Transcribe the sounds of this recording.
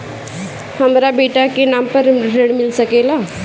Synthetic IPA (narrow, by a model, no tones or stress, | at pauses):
hɐmɾabeːʈakenaːmpəɾɾeɽmɪlsɐkeːlaː